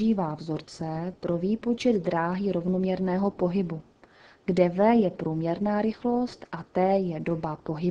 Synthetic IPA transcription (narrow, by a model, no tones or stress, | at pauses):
iːvaːvzo̞ɾt͡sɛpɾo̞viːpo̞t͡ʃɛd̪d̪ɾaːɦiɾo̞vnomɲɛɾnɛːɦo̞po̞ɦɪbu | ɡdɛvɛːjɛpɾuːmɲɛɾnaːɾɪxlo̞st̪ʔat̪ɛːjɛdo̞bapo̞ɦɪ